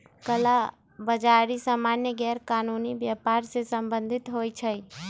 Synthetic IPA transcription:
kəla | bəd͡ʒaɾisamanjəɡɛɾkanunibjapaɾsẽsəmbənd̪ʱit̪ɦojt͡ʃʰəj

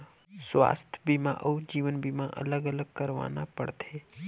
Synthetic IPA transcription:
sʋa̰ːst̪ʰjbʱimãʔəud͡ʒiːʋənbʱimãʔə̰ləɡələɡkəɾʋa̰ːnapəɽt̪ʰeː

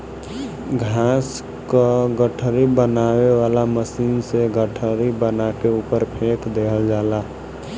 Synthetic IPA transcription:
ɡʱaːs | koɡəʈʰɾibənaːweʋaːlaməsiːnseɡəʈʰəɾibənakeuːpəɾpʰeːkd̪eːkʰəld͡ʒaːlaː

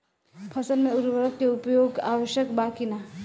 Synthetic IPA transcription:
pʰɐsəlmẽʊɾʋəɾək̪keʊpjoːɡa̰ːʋəʃjəkbaːkinaː

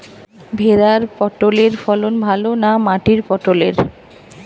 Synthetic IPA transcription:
bʱeɾaɾpɔʈoleɾfɔlonbʱalonamaʈiɾpɔʈoleɾ

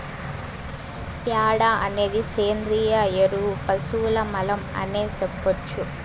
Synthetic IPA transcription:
pjaːɽaɐneːðiseːnd̪ɾiːjajeɾupɐsuːlɐmɐlɐmɐ̰neːsɛpːot͡ʃːu

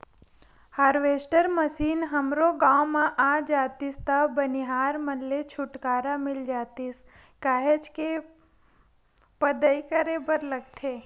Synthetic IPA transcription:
haːɾʋeːsʈəɾməsiːnɦəmɾoɡãːwmãʔaːd͡ʒaːt̪ist̪əbəniɦaːɾmənlet͡ʃʰʊʈkaːɾamɪld͡ʒaːt̪is | kaːɦed͡ʒke | pəd̪əikəɾebəɾlɐɡt̪ʰeː

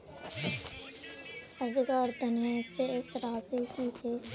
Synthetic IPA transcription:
əɾd͡ʒkaɾt̪ənẽseɪsɾaːsikit͡ʃeː

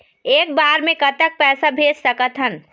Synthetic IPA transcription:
eːk̚baːɾmẽkɐt̪ək̚pɛːsabʱeːd͡ʒsɐkət̪ɦən

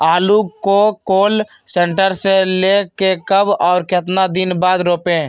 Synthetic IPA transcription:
aːlukokoːl | seːɳʈəɾseleːkekəbɔːɾket̪nad̪ɪnbaːd̪ɾoːpẽː

